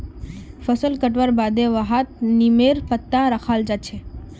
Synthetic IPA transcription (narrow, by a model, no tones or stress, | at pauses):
fəsəlkəʈʋaɾbad̪eʋəɦat̪̚nimeɾpət̪ːãɾəkʰald͡ʒat͡ʃʰe